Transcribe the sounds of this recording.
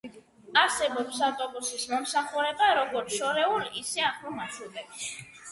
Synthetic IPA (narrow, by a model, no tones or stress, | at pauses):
aɾsɛbɔpsaft̪ʼɔbusismɔmsaχuɾɛbaɾɔɡɔɾt̪ʃɔɾɛulisɛaχlɔmaʃwɛd̪ɛbis